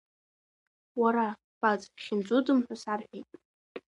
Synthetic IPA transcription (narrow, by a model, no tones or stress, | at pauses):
waɾa | b̥ad͡zʼχʲɪnd͡zʷʼudɨmħʷᶣasarħʷᶣejtʼ